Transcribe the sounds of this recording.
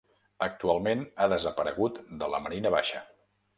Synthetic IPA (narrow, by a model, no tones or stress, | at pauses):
ək̚t̪ualˠmenaðəzəpəɾəɣ̞ut̪d̪ələ̰məɾinəβaʃə